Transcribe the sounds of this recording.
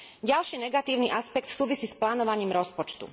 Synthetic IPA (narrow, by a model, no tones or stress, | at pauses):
ɟalʃiːnɛɡat̪iːʊniʔaspɛkt̪suːʋisiːsplaːnɔʋaɲiːmɾɔspɔt͡ʃt̪ṵ